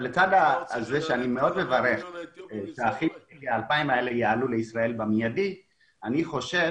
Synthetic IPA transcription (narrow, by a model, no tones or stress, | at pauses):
let͡sad̪aːzeʃeanime̞o̞dme̞vaʁe̞χʃaχimeliaːlpaimae̞lejaaluleisʁae̞lbamijadi | aniχo̞ʃe